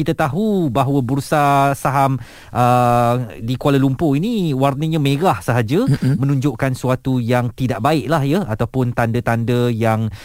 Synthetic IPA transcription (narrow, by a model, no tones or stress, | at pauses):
kit̪at̪aɦubaɦwəbuɾusasaɦam | ʔə | dikwaləlumpoinĩwarnəɲãmẽɾahsəɦad͡ʒamə̃nũɲd͡ʒʊʔkansuat̪ujaŋt̪idaʔbaɪʔlahjaat̪awpʊnt̪andət̪andəjaŋ